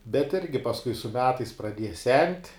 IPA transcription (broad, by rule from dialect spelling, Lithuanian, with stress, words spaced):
bʲɛt ˈɪrʲɡʲɪ pɐsˈkʊɪ sʊ ˈmʲæːtɐɪs prɐˈdʲiɛjɛ sʲɛnʲtʲ